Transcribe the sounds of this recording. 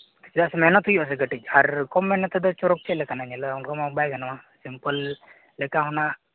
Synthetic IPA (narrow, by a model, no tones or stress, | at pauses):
sd̪aʔsɛmɛnɔt̪ujɔʔas̬ɛɡəʈic̚ˀaɾkɔmːɛnɔt̪ːɛd̪ɔt͡ʃɔɾɔk̚t͡ʃʰɛʔlɛkanaɲɛlaunkamabajɡanawasimpəl | lɛkaɦɔnaʔ